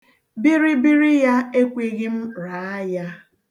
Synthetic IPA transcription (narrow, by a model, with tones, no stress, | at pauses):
bi˦ɾi˦bi˦ɾi˦ja˦e˦kʷe˦ɣɪ˦m̩˦ɾa˨˦a˦ja˦